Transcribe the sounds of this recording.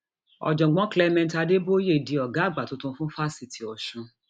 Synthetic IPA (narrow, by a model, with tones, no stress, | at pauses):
ɔ̰˨d͡ʒɔ̃˨ɡ͡bɔ̃˨˦klɛ˧mɛ̃˧nta˧de˦bo˦je˦˨di˨˧ɔ˨ɡa˨˦˨ɡ͡ba˨to˦tũ˧˦fũ˦fa˦si˧˨tʰi˨ɔ˨ʃũ˨˧